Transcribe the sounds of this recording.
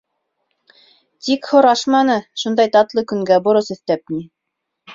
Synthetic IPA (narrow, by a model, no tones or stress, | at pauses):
t̪ikhŏɾɑʃmɑnɤʃund̪ɑjt̪ɑt̪lˠɤkɵ̆ŋɡæbŏɾɤsɵ̆θt̪æp̚ni